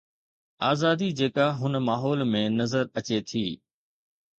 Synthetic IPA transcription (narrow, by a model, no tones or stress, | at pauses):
aːzaːd̪id͡ʑeːkaɦʊnəmaːɦɔːlmẽnɐzəɾɐt͡ɕet̪ʰiː